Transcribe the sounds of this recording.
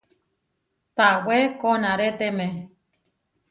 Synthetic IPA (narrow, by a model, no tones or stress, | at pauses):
t̪awekonãɾet̪emẽ